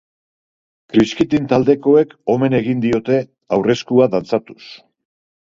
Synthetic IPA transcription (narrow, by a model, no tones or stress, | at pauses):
kɾiskit̪int̪ald̪e̞ko̞e̞ko̞me̞ne̞ɣind̪io̞t̪e̞ | awre̞skuaðant͡sat̪u̥s